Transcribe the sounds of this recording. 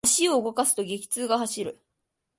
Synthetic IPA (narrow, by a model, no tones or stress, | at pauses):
ɕio̞ɯɡo̞kasɨ̥t̪o̞ɡʲe̞kʲi̥t͡sɨːɡaɦaɕiɾɯ̟